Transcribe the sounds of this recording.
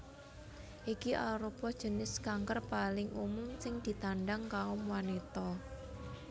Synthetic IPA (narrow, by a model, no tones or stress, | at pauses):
ʔikiʔaɾupɔd̥ʒ̥ə̤nɪskaŋkərpalɪŋʔumʊŋsɪŋd̪̥i̤t̪aɳɖaŋkaʊmwanet̪ɔ